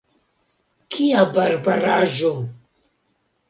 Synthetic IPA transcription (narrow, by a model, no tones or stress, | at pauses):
kʰiabaɾbaɾaʒu